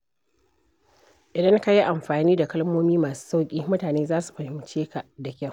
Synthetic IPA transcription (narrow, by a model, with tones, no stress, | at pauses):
ʔɪ˨dɐ˦ŋka˦ji˦ʔa˨mɸaː˨niː˦da˨kɐ˦lmoː˦miː˦maː˨su̥ː˦sa˦wkʲʼiː˦mʊ˦taː˨neː˦zaː˦su̥˨ɸɐ˨hɪ˦mt͡ʃeː˦ka˨ʔda˨kʲa˦˨w